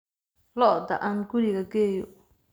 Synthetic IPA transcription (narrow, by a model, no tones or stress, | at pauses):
lɔd̪ɐ̰ʔanɡʊɾiɣɐɡɛːjɔ